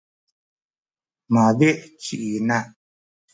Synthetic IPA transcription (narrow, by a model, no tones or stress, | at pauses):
mabeʔt͡ʃiʔina